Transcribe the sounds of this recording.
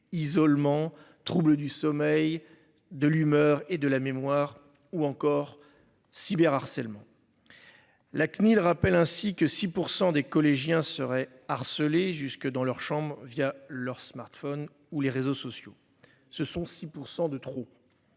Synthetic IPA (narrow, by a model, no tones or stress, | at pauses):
izɔlmɑ̃t̪χubləd̪ysɔmɛj | d̪əlymœʁed̪əlamemwaʁ | uɑ̃kɔʁ | sibɛʁaʁsɛlmɑ̃ | laknilʁapɛlɛ̃sikəsipuʁsɑ̃d̪ekɔleʒjɛ̃səʁɛ | aʁsəleʒyskəd̪ɑ̃lœʁʃɑ̃bʁvjalœʁsmaʁt̪fɔn | uleʁezosɔsjo | səsɔ̃sipuʁsɑ̃d̪ət̪χo